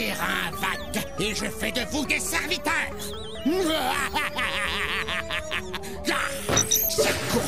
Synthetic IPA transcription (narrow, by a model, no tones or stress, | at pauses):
ɛʁaɛ̃vakeʒəfɛd̪əvud̪esɛʁvit̪œːʁ | la | sɛku